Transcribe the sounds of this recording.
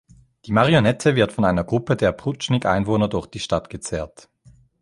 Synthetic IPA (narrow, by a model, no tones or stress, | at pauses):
d̥iːmaʁionɛtʰəvɪɐtfɔnaɪnɐɡʁʊpədeːɐpʁ̥ʊt͡ʃnɪkʔa̰ɪnvoːnɐdʊɐçd̥iːʃtatɡ̥ət͡sɛːɐt